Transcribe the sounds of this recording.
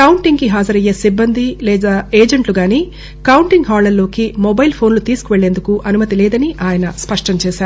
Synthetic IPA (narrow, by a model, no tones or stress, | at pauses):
kɐwuɳʈiŋɡkiɦaːd͡ʒɐɾɐjːeːsibːɐnd̪ʱilɛːd̪aːeːd͡ʒɐɳʈluɡaːniː | kɐwɳʈiŋɡɦaːɭɐɾlo̞ːkimobɐjlpʰo̞ːnlut̪iːsu̥kuʋeɭːe̞ːnd̪ukuʔɐnumɐt̪ilɛːd̪ɐniʔaːjɐnɐspɐʂʈɐɲt͡ʃɛːʃaːɾu